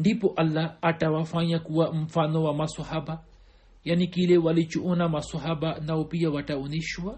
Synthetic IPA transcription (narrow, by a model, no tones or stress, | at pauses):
ɳdipɔʔɐlːaaʈawafaɲakuwam̩fanɔwamasɔhaba | janikilewalit͡ʃuʔɔnamasɔɦabanaupijawaʈauniʃwa